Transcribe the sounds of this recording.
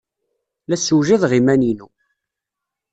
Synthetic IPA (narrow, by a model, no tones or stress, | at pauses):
læsuʒiðʁimæninu